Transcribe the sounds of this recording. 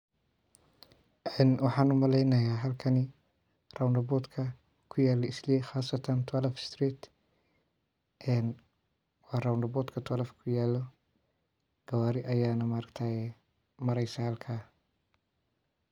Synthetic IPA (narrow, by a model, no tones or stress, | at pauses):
ʔɛːnwɑħɑːnʊmɐlɛjnɐjaːɦɐlkʰɐnɪ | rawndɐbɔːd̪kʰɐ | kʰʊjaːlɔɪslɛxaːsɐt̪ʰɐnt̪ʰɐlɐfst̪riːt̪ | ʔɛn | wɑːrawndɐbɔːd̪kʰɐt̪ʰɔlɐfkʰʊjaːlɔ | ɡ̥ɐwaːɾɪʔɐjaːnɐmɐɾɐkt̪ʰaɛ | mɐɾɛjsɐhɐlkʰaː